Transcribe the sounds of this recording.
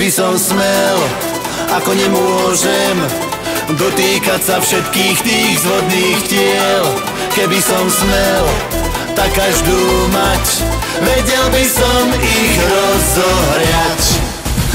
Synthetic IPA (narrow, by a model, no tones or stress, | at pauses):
bisɔmsmɛl | akɔɲɛmʊɔʒɛm | d̪ɔt̪iːkacsafʃɛt̪̚kiːxt̪iːɣzɦɔd̪̚niːxcɪɛl | kɛbisɔmsmɛl | t̪akːaʒd̪uːmac | ʋɛɟɛlbisɔmiɣɾɔzɔɦɾɪac